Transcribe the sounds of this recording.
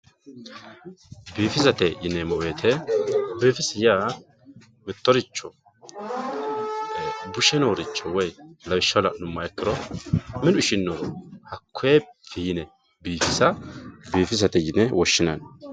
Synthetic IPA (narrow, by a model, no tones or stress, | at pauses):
biːfɪsɐt̪ɛjɪnɛmɔweːt̪ʰɛbiːfɪsɪja | mɪt̪ːɔɾɪt͡ʃːɔ | bʊʃɛnoːɾɪt͡ʃːɔwɔjlɐwɪʃːɐlɐnʊmːɐɛkːɪɾɔmɪdʊɪʃɪnːɔɾhɐkʰːʊefɪjɪnɛ | biːfɪsɐbiːfɪsɐt̪ɛjɪnɛwɔʃːɪnɐn